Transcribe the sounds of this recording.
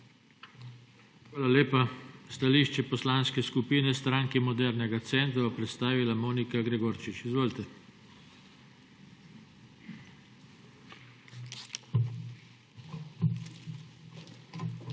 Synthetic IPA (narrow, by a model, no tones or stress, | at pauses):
xʋaːlaleːpast̪aliʃt͡ʃɛpɔslanskɛskupiːnɛst̪ɾaŋkimɔd̪ɛɾnɛɡat̪sɛnt̪ɾaʋɔpɾɛt̪st̪aːʋilamoːnikaɡɾɛɡoɾt͡ʃit͡ʃizʋoːlt̪ɛ